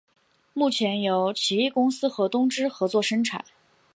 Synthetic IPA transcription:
mu˥˩t͡ɕʰjɛ˧˥njo˧˥ʊt͡ɕʰi˧˥ɛ˥˩kʊ˥ŋsɹ̩˥xɤ˧˥t̪ʊ˥ŋʈ͡ʂɻ̩˥xɤ˧˥t͡swɔ˥˩ʂə˥ŋʈ͡ʂʰa̰˨˩˦n

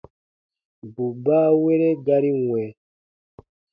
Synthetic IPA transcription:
bu˨ba˦we˦ɾe˦ɡa˦ɾi˦ŋwɛ˨

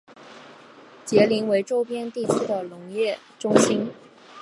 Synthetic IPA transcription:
t͡ɕjɛ˧˥li˧˥ŋwe˧˥ɪʈ͡ʂo˥ʊpjɛ˥nt̪i˥˩t͡ɕ̩ʰ˥d̪ə˨˩lʊ˧˥ŋjɛ˥˩ | ʈ͡ʂʊ˥ŋɕi˥n

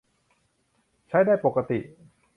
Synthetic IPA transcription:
t͡ɕʰa˦˥˩jdaː˥˩jpo˨˩kːa˧t̪ḭ˨˩ʔ

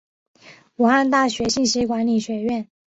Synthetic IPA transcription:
u˨˩xa˥˧nt̪a˥˩ɕɥɛ˧˥ɕi˥˩ŋɕi˧˥kwa˧˥nli˨˩ɕɥɛ˧˥ɥɛ˥˩n

